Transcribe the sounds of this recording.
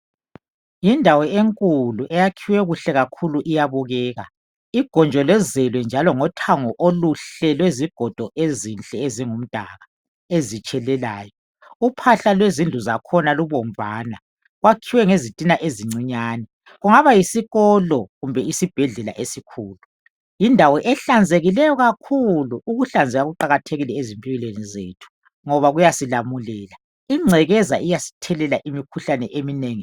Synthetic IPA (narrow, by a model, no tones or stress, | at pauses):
jindʱawɔeŋkʼuluʔɛjakʰiwɛɣuɬɛɣakʰuluʔijaβɔɣɛːɣa̰ | iɡ̥ʱɔnd͡ʒʱɔlɛzɛlwɛnd͡ʒʱalɔŋɔtʰaŋɔʔoluɬɛlweziɡ̥ʱɔd̥ʱɔʔezint͡ɬʼɛeziŋum̩d̥ʱa̰ɣa | ezit͡ʃʼɛlɛlaːjɔ | upʰaɬalwezind͡ɮʱuzakʰɔnaluβɔm̩vaːna | ɣwakʰiwɛŋezitʼinaʔeziŋ͡ǀiɲaːnɛ | ɣuŋaβajisiɣɔlɔɣumbʱɛisib̥ʱɛɮɛla̰ʔesikʰuːlu | jindʱawɔʔɛɬand͡zʱeɣilɛjɔɣakʰuluuɣuɬand͡zʱɛɣaɣuǃaɣatʰeɣilɛezimpʼiɣilenizḛːtʰu̥ | ŋɔβaɣujasilamulɛːla | iŋ͡ǀʱɛɣɛza̰ʔijasi̥tʰɛlɛlaʔimikʰuɬanɛʔemineːŋi